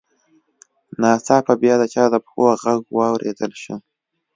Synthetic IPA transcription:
nɑsɑpabjɑd̪ət͡ʃɑd̪əpxoɣaɡwɑwɾʔḛd̪əlʃi

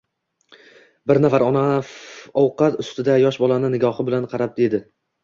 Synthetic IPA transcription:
bɪɾnafaɾɒnafɒwqʰɑt̪ʊst̪ɪd̪ajɒʃbɒlˠanɪnɪɡɒhɪbɪlanqʰɑɾap̚d̪e̞d̪ɪ

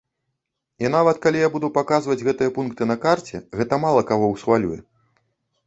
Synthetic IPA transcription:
inavɐt̪kalʲijabud̪upakazvɐd͡zʲɣɛt̪ɨjɐpunkt̪ɨnɐkart͡sʲɛ̰ɣɛt̪ɐmalˠɐkaɣɔwsxvalʲujɛ

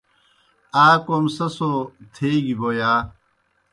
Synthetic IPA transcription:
aːkomsɐsot̪ʰeːɡiboːjaː

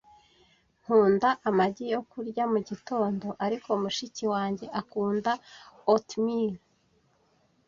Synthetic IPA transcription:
ŋ̥huːndaʔamaɟijo̞kuɾɟamuɟito̞ːndo̞ʔaɾikʰo̞muʃiciwaːɲɟe̞ʔakuːndaotmiɾ

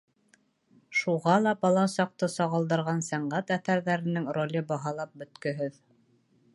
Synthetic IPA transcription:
ʃuʁɑlˠɑbɑlˠɑsɑq̚t̪ɤsɑʁɤ̆lˠd̪ɤ̆ɾʁɑnsæɴɢæt̪æθæɾðæɾɘ̆nɘŋrolʲɘbɑɦɑlˠɑp̚bɵ̆t̪kɵ̆ɦɵð

